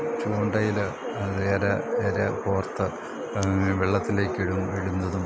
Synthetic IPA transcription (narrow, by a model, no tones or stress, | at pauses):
t͡ɕuːɳɖɐjil | reːɾɐeːɾɐkoːrt̪ːɨ | ʋeɭːɐt̪ːile̞ːkʲːiɻumʋiɻund̪ɐðum